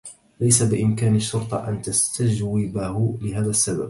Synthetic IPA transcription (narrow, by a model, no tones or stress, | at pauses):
lajsabɪʔɪmkaːnaʃːʊɾt̪ˤɑʔa̰nt̪ast̪ad͡ʒwɪbahʊlɪɦaːðasːaba̰b̚